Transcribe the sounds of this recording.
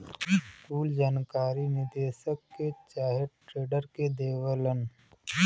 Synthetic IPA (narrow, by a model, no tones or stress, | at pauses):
skuːld͡ʒaːnkaːɾinɪd̪eːʃəkːet͡ʃaːɦəʈɾeːɖəɾked̪eːʋələn